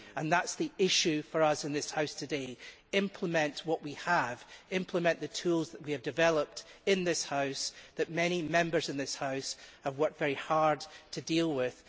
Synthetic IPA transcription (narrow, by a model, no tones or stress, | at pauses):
ə̃nðatsðiɪʃʉfə˞ʌsɨ̃nðɪshaʊstʰɨde | ɪ̃mpʰlˠəmɛ̃nʔwʌʔwiəv̥ɪ̃mpʰlˠəmɛ̃nʔðɨtʰʉlˠzðəʔwiɨvdɨvɛlˠəp̚tɪ̃nðɪshaʊsðɨʔmɛɾ̃imɛ̃mbə˞zɨ̃nðɪshaʊshəvwɜ˞k̚tvɛɹihaɹd̚tʰɨdilˠwɪð̥